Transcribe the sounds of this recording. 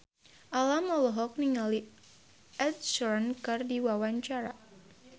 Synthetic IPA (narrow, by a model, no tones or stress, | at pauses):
ʔalamɔlɔɦɔk̚niŋali | ʔɛt̪̚sɔnkɨrdiwawaɲt͡ʃaɾa